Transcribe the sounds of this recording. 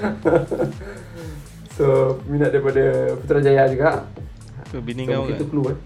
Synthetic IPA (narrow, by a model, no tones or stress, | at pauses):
t̪ominat̪̚daɾipadaput̪ɾad͡ʒajad͡ʒuɡaʔ | omukit̪ukəlua